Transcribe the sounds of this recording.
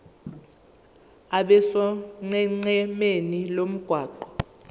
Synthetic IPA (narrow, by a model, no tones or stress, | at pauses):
aɓɛsɔŋ͡ǀɛŋ͡ǀɛmenilom̩ɡ̥ʱwaːǃɔ̥